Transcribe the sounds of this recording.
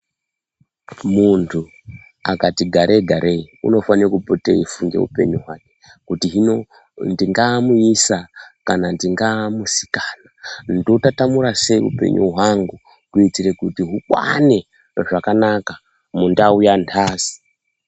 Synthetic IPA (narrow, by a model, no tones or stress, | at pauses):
muntʰu | a̰katiɡʱaɾʔeɡʱaɾeṵno̞fanirokupotḛifuŋɡe̞̰ṵpe̞̰ɲuɦwaːke̥ | kutiɦino | ndiŋɡamuisakanandiŋɡamusi̥kanandotatamuɾase̞iṵpe̞̰ɲṵɦwaŋɡu | kuit͡siɾe̞kutiɦukwa̰ne̞ | ʐakanaka | mundaujantʰaːzi̥